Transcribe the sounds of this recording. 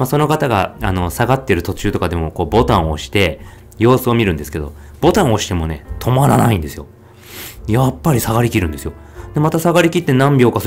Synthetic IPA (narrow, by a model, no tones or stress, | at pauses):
maso̞no̞kat̪aɡa̰a̰no̞saɡat̪ːe̞ɾɯ̟t̪o̞t͡ɕɨːt̪o̞kad̪e̞mo̞ko̞ːbo̞t̪ãɰ̃o̞̰ɕi̥t̪e̞ | jo̞ːsɨo̞mʲiɾɯ̟nd̪e̞sɨ̥ke̞d̪o̞̰ | b̥o̞t̪ãɰ̃o̞ɕi̥t̪e̞mo̞ne̞̰t̪ʰo̞maɾa̰na̰ĩnd̪e̞sɨjo̞ | japːaɾʲisaɡaɾʲikʲiɾɯ̟̃nesɨjo̞ | d̪e̞mat̪asaɡaɾʲikʲit̪ːe̞nãmbʲjo̞ːkas